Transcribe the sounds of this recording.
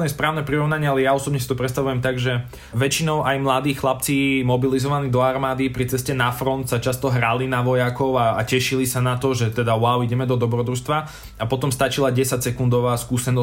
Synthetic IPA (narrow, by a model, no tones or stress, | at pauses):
nɛspɾaːʊnɛpɾiɾɔʋnaɲɪalɛjaɔsɔbɲɛs̬it̪ɔpɾɛst̪aʋujɛmt̪aɡʒɛ | ʋɛt͡ʃinɔʊʔajmlad̪iːxxlap̚t͡simɔbilizɔʋaniːd̪ɔaɾmaːd̪ipɾit͡sɛscɛnafɾɔnt̪sat͡ʃast̪ɔɦɾalinaʋɔjakɔʊa̰ːcɛʃilisanat̪ɔʒɛt̪ɛd̪aʊaʊiɟɛmɛd̪ɔd̪ɔbɾɔd̪ɾust̪ʋa | apɔt̪ɔmst̪at͡ʃilaɟɛsacsɛkund̪ɔʋaːskuːsɛnɔ